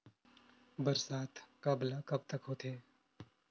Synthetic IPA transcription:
bɐɾsaːt̪ʰkablakɐb̚t̪ɐkɦoːt̪ʰeː

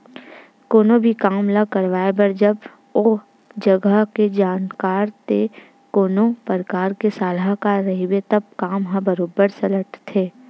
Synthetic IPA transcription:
koːnobʱikaːmləkəɾʋaːebɐɾd͡ʒɐb | o | d͡ʒɐɡəɦked͡ʒaːnkaːɾt̪e | koːnopəɾkaːɾkesaːlakaɾɐɦiwet̪ɐb̚kaːmɦãbəɾoːbəɾsɐləʈt̪ʰeː

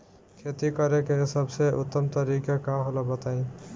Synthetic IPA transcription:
kʰet̪ikəɾekesəbseʔut̪ːəmt̪əɾikakaɦolabət̪aĩ

